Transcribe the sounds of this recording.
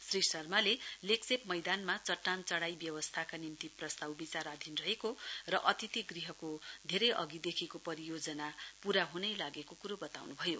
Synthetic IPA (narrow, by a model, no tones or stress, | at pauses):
srisʌrmaleleksepmʌjd̪anmat͡sʌʈːant͡sʌɽajbjʌwʌst̪ʰakanimt̪iprʌst̪awbit͡saɾad̪ʱinrʌɦekorʌʔʌt̪it̪iɡriɦʌkod̪ʱeɾʌjʔʌ̰ɡid̪ekʰikopʌɾijod͡zʌnapuɾaɦunʌjlaɡekokuɾobʌt̪awnubʱʌjo